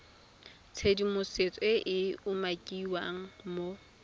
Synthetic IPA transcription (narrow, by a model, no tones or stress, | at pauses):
t͡sʰedimʊset͡sʼɪʔɪʊmakʼiwaŋ̩mo